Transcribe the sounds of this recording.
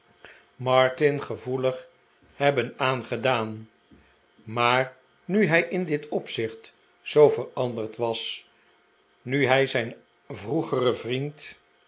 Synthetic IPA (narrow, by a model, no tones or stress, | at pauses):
mɑɹtɪnχəvuləχ | hɛbənaːnχədaːn | maːɹ | nyɦɛjʔɪndɪtʰɔpsɪχt | zowvərɑndəɹtʋɑs | nyɦɛjzɛjn | vruχərəvrint